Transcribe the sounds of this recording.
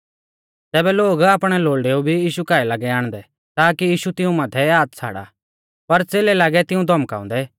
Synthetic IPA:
tɛːbɛloːɡaːpɽ̃ɛloːɭɖeːubʱijiːʃukaːɛlaːɡɛaːɽ̃d̪ɛ | t̪aːkijiːʃut̪ɪũmat̪ʰɛaːt̪t͡sʰa̰ːɽa̰ | pɐɾt͡seːlɛlaːɡɛt̪ɪũd̪ʱɔmka̰ːʊ̰̃nd̪ɛ

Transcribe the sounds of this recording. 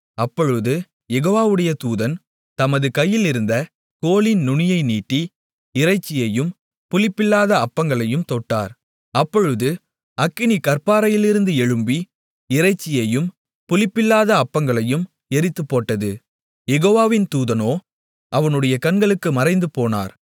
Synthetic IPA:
ɐpːɔɻɯðɯ | jɛɣoːʋaːʋɯɽɐjɐt̪uːðɐn | t̪ɐmɐðɯkɐjːɪlɪɾɯnd̪ɐ | koːlɪnnʊɳɪjɐɪniːʈːi | ɪɾrɐɪt͡ʃːɪjɐjɯm | pʊlɪpːɪlːaːðɐɐpːɐŋɡɐɭɐjɯmt̪oːʈːa̰ːɾ | ɐpːɔɻɯðɯ | ɐkːɪnikɐɾpaːɾɐjɪlɪɾɯnd̪ɯɛɻɯmbi | ɪɾɐɪt͡ʃːɪjɐjɯm | pʊlɪpːɪlːaːðɐːpːɐŋɡɐɭɐjɯm | ɛɾɪt̪ːɯpːoːʈːɐðɯ | jɛɣoːʋaːʋɪnt̪uːðɐnoː | ʔɐʋɐnɯɽɐjɐkɐnɡɐɭɯkːɯmɐɾɐɪnd̪ɯpoːna̰ːɾ

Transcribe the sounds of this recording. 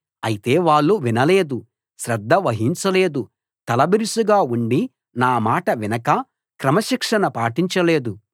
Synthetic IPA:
ɐjit̪e̞ːʋaːɭːuʋinɐleːd̪u | ʃɾɐd̪ʱːɐʋɐɦiɲt͡ʃɐleːd̪u | t̪ɐlɐbiɾisuɡaːuɳɖi | naːmaːʈɐʋinɐkɐ | kɾɐmɐʃikʂɐnɐpaːʈiɲt͡ʃɐleːd̪u

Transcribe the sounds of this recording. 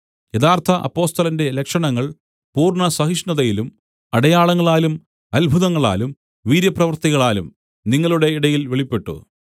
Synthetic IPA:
jeðaːrt̪ʰɐʔɐ̰pːo̞ːst̪ɐlɐnde̞lekʂɐɳɐŋːɐɭ | puːrɳɐsɐɦiʂnɐðɐjilum | ɐɽɐjaːɭɐŋːɐɭaːlum | ɐlbʱuðɐŋːɐɭa̰ːlum | ʋiːɾjɐprɐʋɐrt̪iɣɐɭaːlum | niŋːɐɭuɽe̞iɽɐjilʋeɭipːe̞ʈːṵ

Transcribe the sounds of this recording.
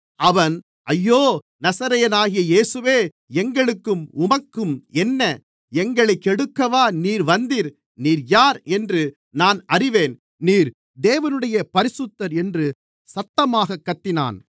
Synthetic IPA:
ɐʋɐn | ɐjːoː | nɐsɐɾɐjɐnaːɣɪjɐjeːsɯʋeː | ɛŋɡɐɭɯkːɯmʊmɐkːɯmɛnːɐ | ɛŋɡɐɭɐɪkːɛɽɯkːɐʋaːniːɾʋɐnd̪iːɾ | niːɾjaːɾɛndrɯ | naːnɐrɪʋeːn | niːɾ | d̪eːʋɐnɯɽɐjɐpɐɾɪsɯt̪ːɐɾɛndrɯ | sɐt̪ːɐmaːɣɐkːɐt̪ːɪna̰ːn

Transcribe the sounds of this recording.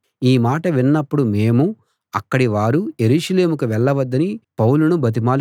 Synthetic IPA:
iːmaːʈɐʋinːɐpːuɽume̞ːmu | ɐkːɐɽiʋaːɾujeɾuːʂɐle̞ːmukuʋɛɭːɐʋɐd̪ːɐnipɐwulunubɐt̪̬imaːl

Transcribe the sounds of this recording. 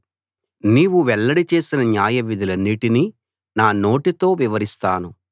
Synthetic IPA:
niːʋuʋɛɭːɐɽit͡ʃe̞ːsinɐnjaːjɐʋid̪ʱilɐnːiʈini | naːno̞ːʈit̪o̞ːʋiʋɐɾist̪aːnu

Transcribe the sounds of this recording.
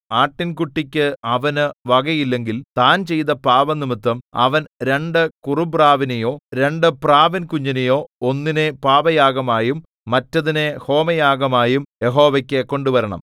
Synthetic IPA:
aːʈːinkuʈːikʲːɨɐʋɐnɨʋɐɡɐjilːe̞ŋɡilt̪aːnt͡ɕe̞jt̪ɐpaːʋɐnimɨt̪ːɐmɐ̰ʋɐnɾe̞ɳɖɨkurubraːʋinɐjo̞ːɾe̞ɳɖɨpraːʋɐnkuɲːɐnɐjo̞ːonːinepaːʋɐjaːɡɐmaːjumː | ɐtːɐðineho̞ːmɐjaːɡɐmaːjumje̞ɦo̞ːʋɐkʲːekːo̞ɳɖuʋɐɾɐɳɐ̰m

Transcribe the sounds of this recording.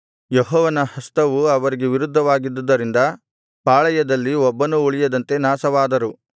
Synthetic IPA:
jeɦɔːʋɐnɐhɐst̪ɐʋuɐʋɐɾiɡeʋiɾud̪ʱːɐʋaːɡid̪ːɐd̪ːɐɾind̪ɐ | paːɭɐjɐd̪ɐlːiɔbːɐnuuɭijɐd̪ɐnt̪e̞naːsɐʋaːd̪ɐɾu

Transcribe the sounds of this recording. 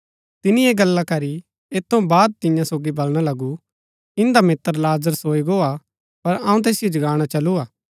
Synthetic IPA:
t̪ɪnieːɡɐlːakɐɾi | eːt̪ʰːõbaːd̪̚t̪ɪ̃jãsoːɡibɐlɽ̃alɐɡu | ɪ̃nd̪amɪt̪ːəɾlaːzəɾsoːiɡoːa | pɐɾɐ̃ːũt̪eːsɪjod͡ʒɡaːɽ̃at͡ʃɐluaː

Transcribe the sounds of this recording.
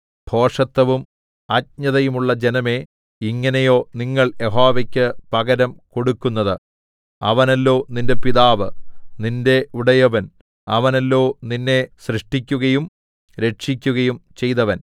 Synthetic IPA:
bʱo̞ːʂɐt̪ːɐʋum | ɐt̚ɲɐðɐjumuɭːɐd͡ʑenɐme̞ | iŋːɐnɐjo̞ːniŋːɐɭjeɦoːʋɐkʲːɨpɐɣɐɾɐmko̞ɽukːunːɐðɨ | ɐ̰ʋɐnɐlːo̞ːninde̞piðaːʋɨninde̞uɽɐjɐʋɐn | ɐʋɐnɐlːo̞ːninːe̞ɕrɨʂʈikʲːuɣɐjum | ɾe̞ʈʂikʲːuɣɐjumt͡ɕe̞jt̪ɐʋɐn

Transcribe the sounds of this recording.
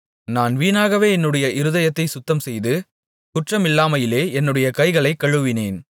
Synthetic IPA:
naːnʋiːnaːɣɐʋeːɛnːɯɽɐjɐʔɪɾɯðɐjɐt̪ːɐɪsʊt̪ːɐmsɛjðɯ | kʊʈrɐmɪlːaːmɐjɪleːɛnːɯɽɐjɐkɐɪɣɐɭɐɪkːɐɻɯʋɪneːn

